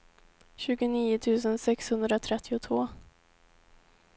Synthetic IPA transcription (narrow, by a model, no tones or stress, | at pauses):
ɕʉ̟ːɡʊniːʊt̪ʰʉ̟ːsənsɛkshɵnd̪ɾat̪ʰɾɛt̪ʰːɪʊt̪ʰvoː